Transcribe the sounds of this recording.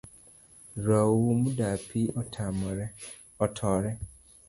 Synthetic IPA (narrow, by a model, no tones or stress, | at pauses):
ɾwawumudapitʰam | tʰɔːɾe